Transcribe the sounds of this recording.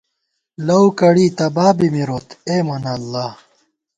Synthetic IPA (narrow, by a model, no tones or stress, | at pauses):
lɐwkɐɽiːt̪ɐbaːbimiɾoːt̪eːmɐnɐlːaː